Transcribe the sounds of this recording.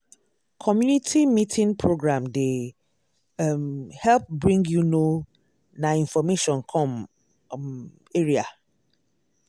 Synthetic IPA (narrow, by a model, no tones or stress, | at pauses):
kʰɔmjunitʰimitʰĩnpʰɹoɡɹãmde | mhɛlp̚bɹĩŋɡjuno | naĩnfɔmeʃɔ̃nkʰɔ̃m | eɹia